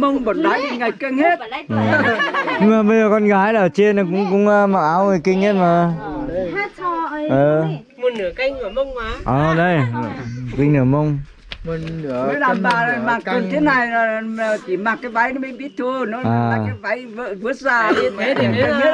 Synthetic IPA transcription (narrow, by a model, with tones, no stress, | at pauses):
mə˧wŋ͡mɓə˨˩n̚ɗa˨˦jki˧ŋa˨˩jk̚kə˧ŋhe˦˥t̚ːɲɨ˧ŋ͡mmaː˨˩ɓə˧jzəː˨˩kɔ˧nɣaː˨˦jlaː˨əː˨˩t͡ɕe˧nːɔ˨˧˩kʊ̰˧˥ŋ͡mkʊ̰˧˥ŋ͡mma˨˧˩ʔaː˨˦wŋə˧˨˩kï˧ŋ̟he˦˥t̚maː˨˩˧ | əː˧˩ | mo˨˩nɨ˧˦kɨ˧˩mə˧wŋ͡mʔəː˨˩ɗə˧j | kï˧ŋnɨː˧˩mə˧wŋ͡m | ə˨˦laː˨˩mɓaː˧˩ə˨˩maː˨˩ə˧˨t̪ʰe˨˦na˨˩ja˨t͡ɕ̪i˧˩maː˨˩t̚kaː˨˦jva˨˦jnɔ˨˦mi˧˨ŋɓi˦˥ət̚t̪ʰu˧ənɔ˨˦aː˧˨˩a˨a˨˦jva˨˦jvə˧˨vɨ˨˦˥ət̚zaː˧˩˨i˨˦ɗə˧ŋi˦˥t̚